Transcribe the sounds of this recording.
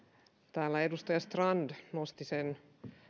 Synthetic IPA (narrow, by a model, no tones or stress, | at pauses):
t̪æːlːæedust̪ɑjɑst̪rɑndnost̪isen